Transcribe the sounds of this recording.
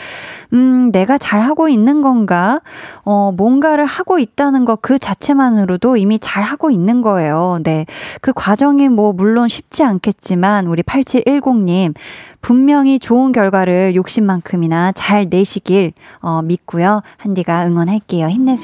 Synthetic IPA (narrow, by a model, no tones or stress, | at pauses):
ɯne̞ɡat͡ɕaɭhaɡoinːɯnɡʌnɡaʌmwʌnɡaɾɯɭhaɡ̥oit̚t͈anɯnɡʌkɯt͡ɕat͡ɕʰe̞manɯɾodoimit͡ɕaɭɦaɡoinːɯnɡʌe̞jone̞kɯkwad͡ʑʌŋimwʌmuɭːonɕʰip̚t͡ɕ͈iankʰe̞t̚t͡ɕ͈imanuɾipʰaɭt͡ɕʰiʔiɭɡoŋɲimpummjʌŋit͡ɕoɯnɡjʌɭɡwaɾɯɭjok̚ɕ͈imːankʰɯminat͡ɕaɭne̞ɕʰiɡiɭʌmit̚k͈ujohandiɡaɯŋwʌnɦaɭk͈e̞joçimne̞sʰ